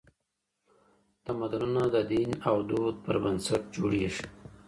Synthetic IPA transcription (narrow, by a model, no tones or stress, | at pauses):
t̪amad̪ununad̪əd̪inawd̪od̪̚pəɾbənsat̪̚d͡ʒoɽeʂ